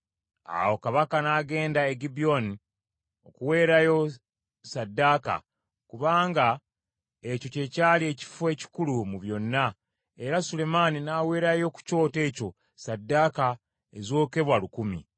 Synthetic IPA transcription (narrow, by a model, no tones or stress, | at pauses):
a̰wo̞kaβakanaːɡe̞ːndaeɡibio̞ni | o̞kuwe̞ːɾajo̞ | sadːaːka̰ | kuβaːŋɡa | e̞co̞ce̞caːlie̞ci̥fuwe̞ːci̥kulumuβjo̞nːa | e̞ɾasule̞maninaːwe̞ːɾajo̞ku̥co̞ːte̞ːco̞ | sadːaːka | ezo̞ːke̞βwalukumḭ